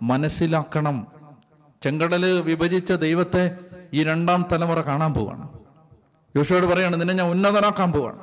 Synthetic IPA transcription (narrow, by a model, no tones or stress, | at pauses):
mɐnɐsilaːkːɐɳɐm | t͡ɕe̞ŋɡɐɽɐlɨʋibʱɐd͡ʑit͡ɕːɐd̪ejʋɐt̪ːe̞iːɾe̞ɳɖaːmt̪ɐlɐmurɐkaːɳaːnpoːʋa̰ːɳɨ | jo̞ːʂuʋaːɽɨpɐrɐjaːɳɨninːeɲaːnunːɐðɐnaːkːaːmpoːʋa̰ːɳɨ